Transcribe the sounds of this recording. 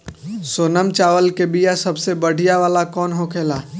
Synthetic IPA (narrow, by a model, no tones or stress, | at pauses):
soːnəmt͡ʃaːʋəlkebijasəbsebəɽ̤ʱijaʋaːlakɔːnɦokʰeːlaː